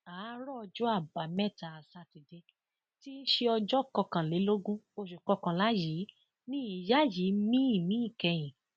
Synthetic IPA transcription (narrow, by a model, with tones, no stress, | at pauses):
a˨˦ɾɔ˦ɔ˧d͡ʒɔ˦a˦˨ba˨mɛ˦˨ta˨a˨sa˧ti˨de˧˦ | ti˦ʃe˧ɔ˧d͡ʒɔ˦˨kɔ˧kã˨le˨˦lo˦ɡũ˦o˧ʃu˨kɔ˧kã˨la˨˦ji˨˦ | nĩ˦˨ja˦ji˨˦mĩ˦i˦˨mĩ˨˦ĩ˦˨kɛ˧j̃ĩ˨